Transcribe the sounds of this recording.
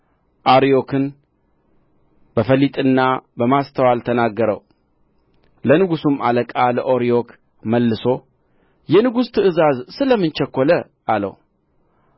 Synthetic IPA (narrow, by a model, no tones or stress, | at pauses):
ʔaɾijo̞kʰɨn | b̥əfəlit̪ʼɨnːabəmast̪ʰəwalt̪ʰənaɡːəɾə̰w | lənɨɡusumaləkʼaləʔoɾijo̞k | məlːɨso̞ | jɛnɨɡust̪ʰɨʔɨzazsɨləmːɨnt͡ʃɛkːolə | ʔalə̰w